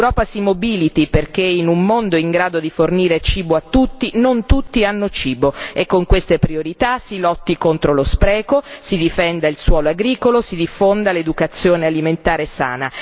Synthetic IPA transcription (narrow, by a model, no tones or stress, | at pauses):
ewɾɔːpasimobilit̪iperk̟einumːond̪oiŋɡɾaːd̪od̪iforniːɾet͡ʃiːboat̪ːut̪ːinont̪ut̪ːianːot͡ʃiːboekːoŋkwest̪epɾioɾit̪asilɔt̪ːikont̪ɾolospɾɛːkosid̪ifɛnd̪ailswɔːloaɡɾiːkolosid̪ifːond̪aled̪ukat̪sːjoːnealiment̪aːɾesa̰ːna